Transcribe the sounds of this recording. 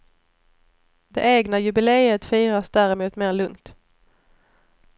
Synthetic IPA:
d̪ɛ̰ʔeːɡnajɵbɪleːət̪fiːɾasd̪æɾɪmuːt̪meːɾɭɵŋt̪

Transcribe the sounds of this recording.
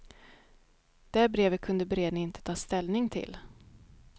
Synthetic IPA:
d̪̥æɾbɾeːvət̪̚kʰɵnd̪əbɛɾeːd̪nɪɪnt̪ə̥t̪ʰɑːst̪ɛlnɪŋt̪ʰɪ̰l

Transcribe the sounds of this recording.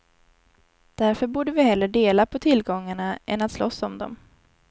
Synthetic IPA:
d̪̥æɾfœɾbuːɖəvɪhɛlːəɖeːlapʰɔt̪ʰɪlɡɔŋːaɳaɛ̰nat̪slɔsːɔmd̪ɔ̰m

